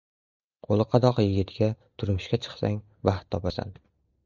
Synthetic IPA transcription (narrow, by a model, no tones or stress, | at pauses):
qʰolˠɨqʰɑd̪ɒqjɪɡʲɪt̪ʰɡʲat̪ʰʊɾmɪʃkʲat͡ʃʰɨ̥χsa̰ŋ | vaχt̪ʰːɒpasa̰n